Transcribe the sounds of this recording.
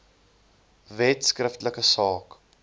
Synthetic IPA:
vɛtskrəftləkəsɑːk

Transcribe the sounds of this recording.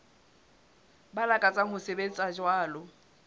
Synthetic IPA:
balakʼat͡sʼaɦʊseben̩t͡sʼad͡ʒwaːlɔ

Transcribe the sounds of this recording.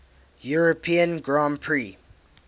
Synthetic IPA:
juɹopʰĩə̃nɡɹãmpʰɹi

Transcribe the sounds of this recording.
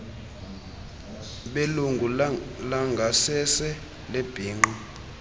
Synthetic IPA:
ɓeluŋɡʱulaŋɡʱasɛsɛ | leb̥ʱiːŋ͡ǃɔ

